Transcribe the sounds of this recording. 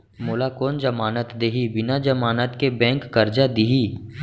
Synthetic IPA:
moːlakoːnd͡ʒəmaːnət̪d̪eːɦibɪnad͡ʒəmaːnət̪kebɛ̃ːŋkːɐɾd͡ʒad̪ɪɦiː

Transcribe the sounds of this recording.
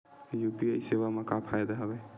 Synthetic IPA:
jupiəiseβamekapʰajd̪eɦəbɛ

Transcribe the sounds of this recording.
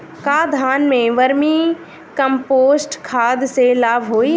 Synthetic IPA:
kaːd̪ʱaːnmẽʋɐɾmi | kə̃mpoːsʈkʰaːd̪selaːbʱɦoːi

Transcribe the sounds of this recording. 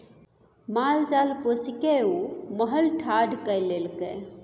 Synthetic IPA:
malt͡ʃalposikeuməɦəlʈʰaɖʱkəjlelke

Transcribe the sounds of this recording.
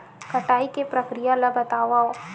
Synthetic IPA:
kɐʈaːikepɾɐkɾijalɐbɐt̪aːʋao

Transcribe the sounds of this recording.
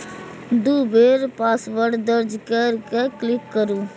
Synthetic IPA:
d̪uːbeːɾpaːsʋəɾɖd̪əɾd͡ʒkəɾkeklɪkːəɾuː

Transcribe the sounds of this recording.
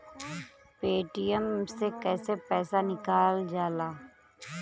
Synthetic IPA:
peːʈɪjəmsekɛːsepɛːsanɪkaːld͡ʒaːlaː

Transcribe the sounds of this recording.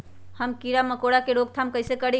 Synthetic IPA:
həmkiɾaməkoɽakeɾoɡ̚t̪ʰamkəɪsekəɽi

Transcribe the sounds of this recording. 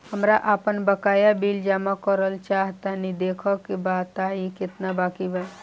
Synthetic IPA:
həmɾaʔapənbəkajabild͡ʒamakəɾəlt͡ʃaɦt̪anid̪ekʰəkebat̪aiket̪nabakibaj

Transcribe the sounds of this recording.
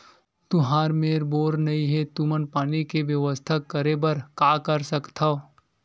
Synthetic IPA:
t̪ʊɦaːɾmeːɾboːɾnɐĩɦet̪umənpaːnikeʋjəʋəst̪ʰəkːəɾebɐɾkaːkəɾsəkt̪ʰao

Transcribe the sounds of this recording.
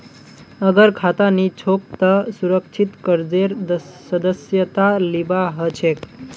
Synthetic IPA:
əɡəɾkʰat̪anit͡ʃʰok̚t̪əsuɾək̚t͡ʃʰit̪kəɾd͡ʒeɾsəd̪əsjət̪alibaɦət͡ʃʰek

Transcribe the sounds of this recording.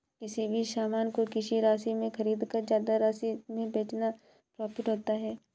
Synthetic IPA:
kɪsibʱiʃaːmaːnkokɪʃiɾaːsimẽxɐɾiːd̪kazjaːd̪aɾaːsimẽbeːt͡ʃna | pɾɔːpɪʈɦoːt̪aɦɛː

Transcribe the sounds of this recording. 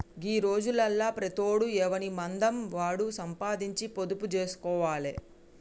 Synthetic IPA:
ɡiːɾo̞ːd͡ʒulɐlːaːpɾɐt̪oːɽuɛːʋɐnimɐnd̪ɐmʋaːɽusɐmpaːd̪iɲt͡ʃipod̪uput͡ʃeːsu̥kɔːʋaːle

